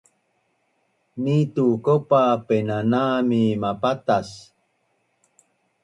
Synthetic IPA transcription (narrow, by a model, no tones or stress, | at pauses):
nit̪ukopapenanaːmimapat̪as